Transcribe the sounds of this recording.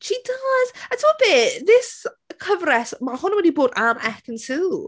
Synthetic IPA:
ʃidəz̥ətʰoɔbeːðɪs | kʰəvrɛsmahʊnwɛdiboːdamɛkənsʰul

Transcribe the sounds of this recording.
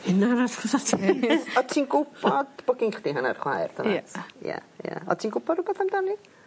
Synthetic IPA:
hɪnavaθχɔsatʰɔtʰiːnɡʊbɔdb̥ʊɡɪŋχdiɦana̰rχwa̰jrdʰaatja̰ja̰ɔ̰tʰiːnɡʊbɔdʊbɛθamdɔni

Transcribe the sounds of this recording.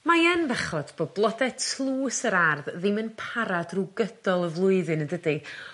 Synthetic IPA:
majɛnbɛχɔd̥b̥ɔblˠɔdɛtʰlˠuːsəɾarððɪmɨnpʰaɾadruɡədɔlˠəvlˠʊɨðɨnədədɨ

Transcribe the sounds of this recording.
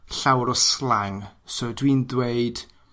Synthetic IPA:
ɬawɾɔslaŋsɔdwindweɨd̥

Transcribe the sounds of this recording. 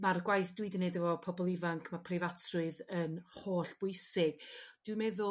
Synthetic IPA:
marɡwajθd̥wiːdənedəvɔpʰɔbɔlˠɪvaŋkʰmapʰrɪvatʰrʊɨðənhoːɬb̥ʊɨsɪɡ̥d̥wɪmɛðʊ

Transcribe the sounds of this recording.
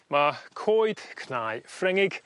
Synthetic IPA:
makʰoːjd̥kʰnaːjfrɛŋɪɡ̥

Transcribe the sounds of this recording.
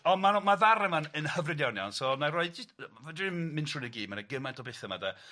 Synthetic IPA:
ɔmanmavaɾɛmanənhəvrɪdjɔnjɔnsɔnarɔɨdd͡ʒɪvadɪmɪntrunəɡiːdmanaɡəmantʰɔbeθəma̰dɛ

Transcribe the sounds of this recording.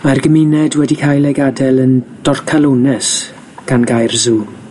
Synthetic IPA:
marɡəmɪnɛdwɛdikʰajlɛɡadɛlˠənd̥ɔrkʰalˠonɛs | ɡ̥anɡajrzuː

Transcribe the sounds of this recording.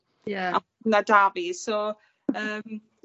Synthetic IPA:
jaa | nadaviso | əːm

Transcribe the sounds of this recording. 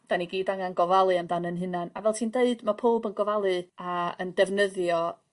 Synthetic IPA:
d̥aniɡiːdaŋanɡɔvalˠɨamdanənɦɨnanavɛlˠtʰiːndeɨdmapʰoːbənɡɔvalˠɨaəndɛvnəðjɔ

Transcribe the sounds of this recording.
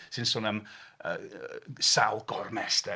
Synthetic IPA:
sɨnsʊːnəmə | salˠɡɔrmɛsd̥ɛ

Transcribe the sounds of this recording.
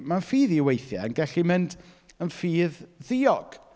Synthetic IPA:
manfiːðiwejθja̰ənɡɛɬimɪnd | ənfiːððɪːɔɡ̥

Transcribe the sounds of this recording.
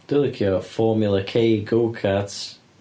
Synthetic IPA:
d̪̥ʊlɪkʰjəfɔːmjʊlˠəkʰeːɡoːkʰats

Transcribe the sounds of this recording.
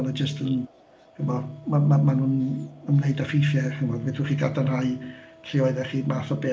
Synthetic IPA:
nəd͡ʒəstən | hɪmɔmamamanunəmneɨdafɪfjɛχɪmɔdɛθuχiːɡadanrajɬʰɪɔɨðɛχiːmaθɔbɛ

